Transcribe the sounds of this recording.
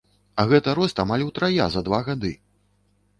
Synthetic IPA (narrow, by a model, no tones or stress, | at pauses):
ɐɣɛt̪ɐɾɔst̪amalʲwt̪ɾaja̰zɐd̪vaɣad̪ɨ